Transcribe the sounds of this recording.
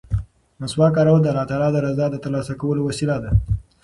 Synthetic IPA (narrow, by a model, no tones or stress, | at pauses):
maswɑkɑɾawad̪əalɑt̪ɑlɑd̪əɾazɑd̪ət̪əɾlɑsakawəlowasilad̪a